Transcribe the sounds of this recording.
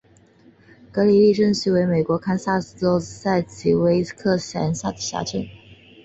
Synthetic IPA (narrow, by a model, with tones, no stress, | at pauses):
kɤ˧˥li˨li˥˧ʈ͡ʂə˥˧ŋɕi˥˩we˧˥ɪme˨˩ɪkwɔ˧˥kʰa˥nsa˥˩so˥ʊsa˥˩ɪt͡ɕʰi˨˩we˧˥ɪkʰɤ˥˩ɕja̰˧˥nsa˥˩d̪ə˨˩ɕja̰˧˥t͡ɕʰə˥˩n